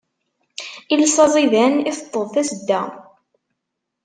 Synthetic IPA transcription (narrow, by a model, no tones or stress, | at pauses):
ilsˤɑzˤiðæniθə̥t̪ˤːəðˤθæsəd̪ːæ